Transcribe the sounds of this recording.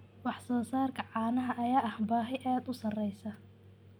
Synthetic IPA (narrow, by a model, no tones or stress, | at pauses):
wɑħsɔːsaːrkʰɐʕɑːnɐɦɐʔɐjaːɐhbaːɦɛjʔɛːd̪ʊsɐrɛjsɐ